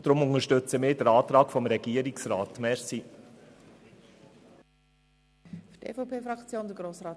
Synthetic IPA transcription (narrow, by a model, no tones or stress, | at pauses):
d̥ɾʊmʊŋəʃtɵt͡səmɪːdəɾɑːt̪ɾɑːkfɔmɾɛɡ̥iəɾiksɾɑːtmɛɾsi | ftʰḛfɔpʰeːfɾɑkt͡sjoːndəɡɾoːsrɑːt